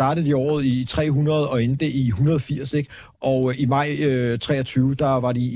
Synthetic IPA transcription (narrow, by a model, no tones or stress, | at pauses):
ɑ̈ːɾəð̩ˠdˠiɒ̰ːð̞̩ˠit͡sʰʁɛ̰ːɦunɐð̞̩ˠɒ̽e̝nd̥əʔiɦunɐðˠɒfiɐ̰se̝ɡ̥ | ʔɒ̽imɑ̈ɪ̰øt͡sʰʁɛ̰ːɒ̽t͡sʰyːʊd̥ɑ̈ʋɑ̈di